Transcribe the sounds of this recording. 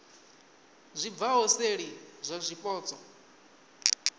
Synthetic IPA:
zʷib̪vaɦɔseɺizʷazʷipʼɔːt͡sʼɔ

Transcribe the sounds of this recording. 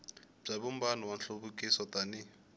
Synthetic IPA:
b͡ʐaβumbanɔwan̩ɬoβukʼisɔtʼanɪ

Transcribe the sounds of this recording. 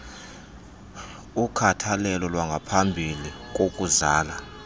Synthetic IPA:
ukʰatʰalɛlɔlwaŋɡʱapʰambʱilik̬ʼokʼuzaːla

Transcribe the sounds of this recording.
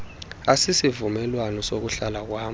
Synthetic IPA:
asisivumɛlwanɔsok̬uɬalak̬waː

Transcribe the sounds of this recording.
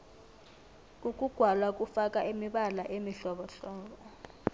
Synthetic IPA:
ukʼuɡ̥ʱwalwakʼufakʼaʔemiɓalaʔemiɬɔɓɔɬɔːbɔ

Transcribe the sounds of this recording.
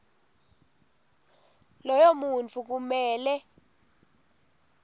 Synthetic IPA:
lɔjomunt͡fʰuk̬umɛːlɛ

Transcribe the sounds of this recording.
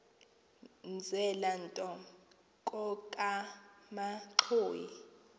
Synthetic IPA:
nd͡zʱɛlantʼɔ | kʼɔkʼamaǁʰoːjḭ

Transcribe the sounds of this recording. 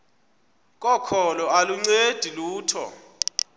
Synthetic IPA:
k̬ʼɔkʰɔlɔaluŋ͡ǀed̥ʱiluːtʰɔ̰

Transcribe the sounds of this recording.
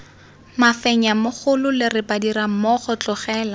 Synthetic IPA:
mafɛɲamʊχʰʊlʊlɪrɪpadiɾamɔχɔt͡ɬɔχɛːla

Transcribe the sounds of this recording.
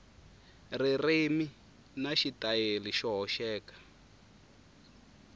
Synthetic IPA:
ririmi | naʃitajeliʃɔɦɔʃɛːkḁ

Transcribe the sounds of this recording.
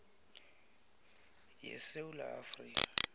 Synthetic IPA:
jɛ̰seula̰afriːkʼḁ

